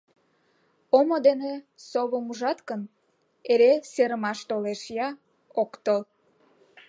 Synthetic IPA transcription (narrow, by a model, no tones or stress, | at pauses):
omod̪ene | soβəmuʒɑt̪kən | eɾeseɾəmɑʃt̪oleʃjɑ | okt̪əl